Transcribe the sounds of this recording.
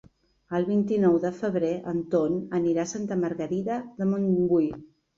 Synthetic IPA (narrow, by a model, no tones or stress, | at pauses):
əlˠβint̪inɔwðəfəβ̞ɾeʔənt̪onəniɾasant̪əməɾɣəɾiðəðəmoŋɡuj